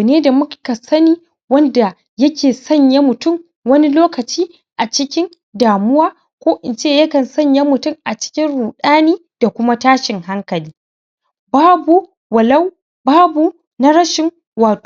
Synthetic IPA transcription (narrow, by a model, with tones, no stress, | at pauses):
neː˦da˨mʊ˦ka˨sɐ˦niː˦ | wɐ˦nda˨ | jɐ˦kʲeː˨sɐ˦˨ɲja˦mʊ˨tʊ˦˨m | wɐ˦ni˦loː˦kɐ˨t͡ʃiː˦ | ʔa˨t͡ʃɪ˦kʲɪ˦n | daː˨mʊ˦waː˦ | kʷoː˦ʔɪ˨nt͡ʃeː˦˨jɐ˦kɐ˨nsɐ˦ɲja˦mʊ˨tʊ˦˨mʔa˨t͡ʃɪ̥˦kʲɪ˦nɽuː˨ɗaː˦niː˦ | d̥a˨kʷʊ˦ma˦taː˦ʃɪ˨ŋha˦ŋkɐ˨liː˦ | baː˦bu˨ | wɐ˨lɐ˦w | baː˦bu˨ | na˦ɽɐ˦ʃɪ˨ŋ | waː˨tː